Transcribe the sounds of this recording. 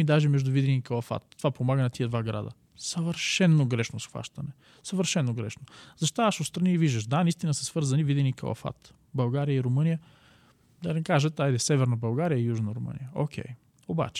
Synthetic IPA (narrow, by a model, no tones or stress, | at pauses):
id̪aʒɛmɛʒd̪ʊvid̪ɛnikɐlˠɐfa̰t̪̚ːovapomaɡənɐt̪iɛd̪vaɡɾa̰d̪ə̰ | sɐvəɾʃɛnːoɡɾɛʃnosxva̰ʃt̪ɐnɛ | səvəɾʃɛnːoɡɾɛ̰ʃnozɐʃt̪oaʃot̪st̪ɾɐniviʒd̪əʃd̪anɐist̪inəsəsvɤɾzɐnivid̪ɛnikɐ̰lˠɐ̰fa̰t̪ | bɐlˠɡaɾijəiɾʊmɤnijə | d̪ɐnikaʒət̪ːaid̪ɛsɛvɛɾnɐbɐlˠɡaɾijəijuʒnəɾʊmə̰nḭjəokʲʰɛ̰j | oba̰t͡ʃɛ̥